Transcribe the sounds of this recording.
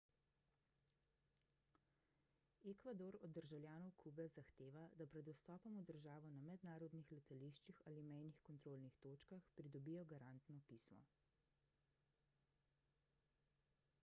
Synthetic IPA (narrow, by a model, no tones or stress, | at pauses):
ekʋad̪oɾɔd̪ːəɾʒawljaːnɔwkʰuːbɛzaxt̪eːʋad̪apɾɛd̪ɔwst̪ɔːpɔmud̪əɾʒaːʋɔnamɛd̪naːɾɔd̪nixlɛt̪aliʃt͡ʃixaːlimɛjnixkɔnt̪ɾoːlnixt̪oːt͡ʃkaxpɾid̪ɔbiːjɔɡaɾant̪nɔpismɔ̰